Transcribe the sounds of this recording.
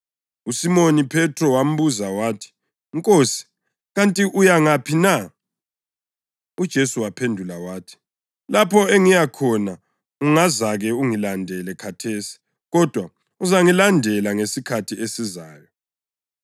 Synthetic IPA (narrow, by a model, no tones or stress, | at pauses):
usimonipʰɛtʰrɔwam̩βuzawaːtʰi̥ | ŋkʼosi̥ | ɣantʼiʔujaŋapʰina | ud̥ʒ̥ʱesuwapʰendʱulawaːtʰi̥ | lapʰɔɛŋijakʰɔna | uŋazaɣɛuŋilandʱɛlɛkʰatʰeːsi̥ | ɣɔd̥ʱwa | uzaŋilandʱɛlaŋesikʰatʰiesizaːjɔ